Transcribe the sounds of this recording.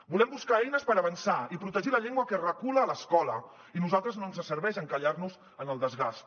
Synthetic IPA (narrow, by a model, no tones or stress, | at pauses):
bulɛmbuskaɛjnəspəɾəβənsaipɾut̪əʒiləʎeŋɡwəkərəkuləːləskɔlə | inuzalˠt̪ɾəznoənzəsəɾβɛʒəŋkəʎarnuz | ənəlˠd̪əzɣast̪